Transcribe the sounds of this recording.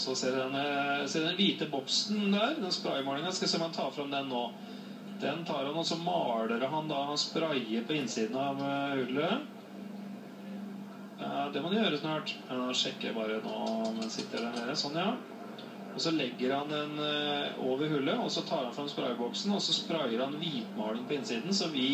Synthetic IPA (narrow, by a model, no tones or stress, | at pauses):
sɔseːɛnəseːɖɛnliːt̪əbɔksnd̪æːɾd̪ɛnspɾɑɪmɔɳɪŋɑnskɑsɛmhɑnt̪ʰɑːfɾɑmd̪ɛnːoː | d̪̥ɛnt̪ʰɑːɾhɑnɔsɔmɑːɽəɾɦɑnd̪ɑɑnspɾɑɪəɾpʰɔɪnːsiːd̪n̩ɑʋhʉlːə | ɑd̪ɛmɔd̪ʊjøːɾəsnɑːʈɑʂɛkːə̰bɑːɾəno̰ːmɛnsɪt̪ːəɖæɳeːɾəsɔnːjɑː | ɔsɔlɛɡːəɾhɑnd̪ɛnoːʋəɾhʉlːəɔsɔt̪ʰɑːɾhɑnfɾɑmnspɾɑ̰ɪbɔksn̩ɔsɔspɾɑɪəɾhɑnʋiːt̪mɑ̰ːɽənpʰɔɪnsiːd̪n̩sɔʋɪ